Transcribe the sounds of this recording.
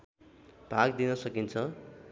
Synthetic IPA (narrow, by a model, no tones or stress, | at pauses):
b̥ʱakd̪inʌsʌkint͡sʰʌ